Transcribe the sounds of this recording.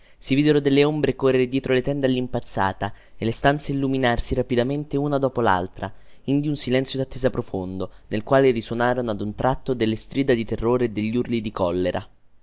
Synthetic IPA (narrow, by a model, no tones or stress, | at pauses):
siviːd̪eɾod̪elːeombɾekorːeɾed̪jɛːt̪ɾolet̪ɛnd̪alːimpat̪sːa̰ːt̪a | elest̪ant̪seilːuminarsiɾapid̪ament̪eunad̪ɔːpola̰lt̪ɾa̰ | ind̪iunsilɛnt̪sjod̪at̪ːeːzapɾofond̪onelkwaːleɾiswonaːɾonoad̪unt̪ɾʔat̪ːod̪elːest̪ɾiːd̪ad̪it̪erːoːɾed̪eʎːiurlid̪ikɔlːeɾʔa̰